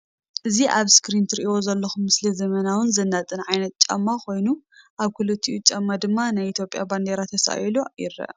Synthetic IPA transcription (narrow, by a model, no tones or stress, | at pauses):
ʔɨziʔaβskɾint̪ʰɾiʔiwozɐlːɐxumːɨslizɐmɐnawɨnzɐnːat̪ʼɨnʕajnɐt̪̚t͡ʃʼɐ̰mːakʰo̞jnuʔaβkʰulɨt̪ʰːiʔut͡ʃʼɐmːad̪ɨmːanajit̪ʰjo̞pʼja̰band̪eɾat̪ʰːɐsa̰jlojɪ̰ɾɐ̰ʔ